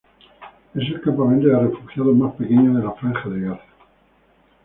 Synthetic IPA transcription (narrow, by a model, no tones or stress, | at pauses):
es̬e̞lkampamẽnt̪̬oarefuxjaðomaspekeɲoðelafɾaŋxaðeɣaθḁ